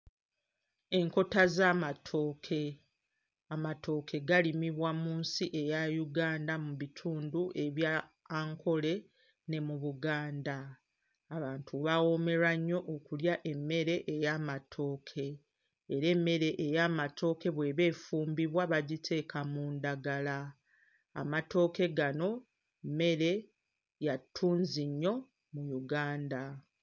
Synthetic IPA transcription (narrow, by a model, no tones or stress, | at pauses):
e̞ŋko̞tazaːmatʰo̞ːkʰe̞ | amatʰo̞ːkʰe̞ɡalimiβwamuːnsiʔe̞jajuɡaːndamuβitʰuːnduʔe̞βja | ŋkʰo̞le̞ | ne̞muβuɡaːndaː | βaːntʰuβawo̞me̞ɾaɲːo̞ʔokuljaʔe̞mːe̞ɾe̞ʔejaːmatʰo̞ːkʰe̞ː | ɾe̞mːe̞ɾe̞ʔːjaːmatʰo̞ːke̞βwe̞βe̞ːfuːmbiβwaβaɟitʰe̞ːkʰamundaɡala | a̰mato̞ːke̞ɡano̞ | me̞ɾe̞ | jatʰːuːnziɲːo̞ | mujuɡaːnda